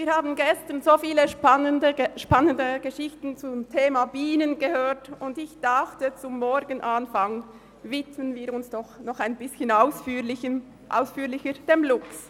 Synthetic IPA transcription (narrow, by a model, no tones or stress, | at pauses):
viːɐɾhaːbn̩ɡɛstənzoːfiːləʃpnəndəʃpanəndəɡ̥əʃɪçtn̩t͡sʊmtʰeːmabiːnənɡəhøːtʊndɪçd̥aχtət͡sʊmːɔɾɡənʔanfaŋ | vɪtmənviːɾʊnsd̥ɔχnɔχaɪnbɪsçənaʊsfɪə | ʔa̰ʊsfyːlɪçəd̥emlʊks